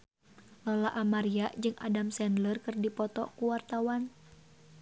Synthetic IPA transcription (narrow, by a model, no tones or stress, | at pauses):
lɔlaʔamaɾiaʔd͡ʒɨŋa̰damsɛndlərkɨrdipɔt̪ɔ̰kuwart̪awan